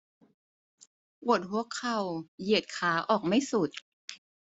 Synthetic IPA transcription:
ʔu˧˨˩ət̪̚hu˧˩˦əkʰːa˧˩wji˨˩ət̪̚kʰaː˨˦ʔɔː˨˩k̚ma˥˩jsu˨˩t̪̚

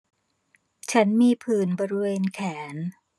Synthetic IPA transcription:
t͡ɕʰa˦˥nmiː˧pʰɯː˨˩nbɔː˧ɾi˦˧weː˧nkʰɛː˩˦n

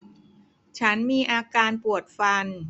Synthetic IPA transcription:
t͡ɕʰa˦˥nmiː˧ʔaː˧kaː˧npu˨˩ət̪̚fa˧n

